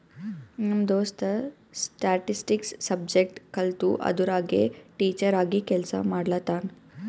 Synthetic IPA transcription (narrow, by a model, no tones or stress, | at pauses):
nɐmd̪ost̪ə | sʈaʈisʈiksːɐb̚d͡ʑek̚ʈkəlt̪uːʔɐ̰d̪uɾaɡḛʈiːt͡ɕəɾaɡikɛlsa̰maɽlat̪an